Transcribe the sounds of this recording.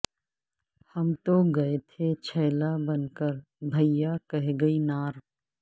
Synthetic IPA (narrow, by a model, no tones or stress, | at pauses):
hɐmt̪oɡɐet̪ʰet͡ʃʰɛːlabɐnkəɾ | bʱɐjakɐɦɡɐinaːɾ